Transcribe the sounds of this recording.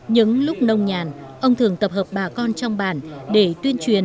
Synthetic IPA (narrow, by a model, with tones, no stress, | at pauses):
ɲɨ̰˧˥ŋlʊ˦˥k͡p̚nə˧wŋ͡mɲaː˨˩n | ʔə˧wŋ͡mt̪ʰɨ˨˩əŋt̪ə˨˩p̚həː˨˩p̚ɓaː˨˩kɔ˧nt͡ɕɔ˧wŋ͡mɓa̰ː˧˩nɗe˧˩t̪wi˧ənt͡ɕwi˨˩ən